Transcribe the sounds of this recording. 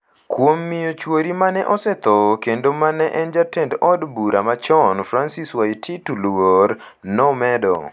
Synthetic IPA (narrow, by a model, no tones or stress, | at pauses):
kwomːijot͡ʃwoɾimanɛʔɔsɛt̪ɔkendomanɛʔɛnd͡ʒatɛndɔdbuɾa̰mat͡ʃɔnfɾansiswaitʰitulwoɾ | nɔmɛdɔ̰